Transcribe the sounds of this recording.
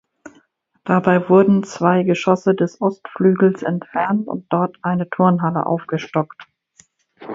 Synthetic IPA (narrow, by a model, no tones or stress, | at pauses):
d̥abaɪvʊɐdn̩t͡sv̥aɪɡəʃɔsədɛsʔɔstflyːɡl̩sʔɛ̰ntfɛɐntʊ̰nt̚d̥ɔɐtʔaɪnətʰʊɐnɦalə̰ʔa̰ʊfɡ̥əʃtɔkt